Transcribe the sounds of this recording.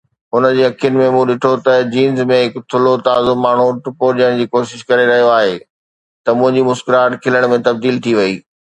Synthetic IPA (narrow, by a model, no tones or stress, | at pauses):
ʊnəd͡ʑeːɐkʰijʊnɪ̆mẽmũːɗɪʈʰot̪ɐd͡ʑiːnzmẽɦɪkt̪ʰʊlot̪aːzʊmaːɳ̤uʈʊpoɗiəɽ̃d͡ʑiːkoːʃɪʃkɐɾeɾɐɦijoaːɦe | t̪ɐmʊ̃ɦɪ̃ɲd͡ʑimʊskɪɾaːʈkʰɪləɽ̃mẽt̪ɐb̚d̪iːlt̪ʰiʋɐiː